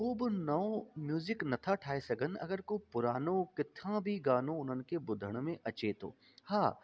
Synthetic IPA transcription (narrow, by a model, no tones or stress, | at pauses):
oːbnɐ̃mjuːzɪknɐt̪ʰaʈʰaːesɐɡənɐ̰ɡəɾkopʊɾaːnõkɪt̪ʰãbʱiɡaːnõʊnənkebʊd̪ʱəɽ̃mẽʔɐt͡ʃet̪o̰ː | haː